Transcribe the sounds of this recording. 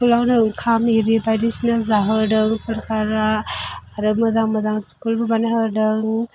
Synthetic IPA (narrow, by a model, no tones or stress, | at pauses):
kulawnɯɯŋkʰamiɾibajdisinazaɦədɯŋsɐɾkʰaɾaː | ɾɯmɐzaŋmɐzaŋskulbɐbanɐɦədɯŋ